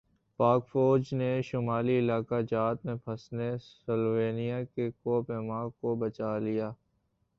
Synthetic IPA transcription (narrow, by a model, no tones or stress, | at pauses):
paːkfoːɾd͡ʒneʃʊmaːliɪlaːkad͡ʒaːt̪mẽpʰɐsnesəlʋeːnijakekoːpemãːɡkobɐt͡ʃaːlijaː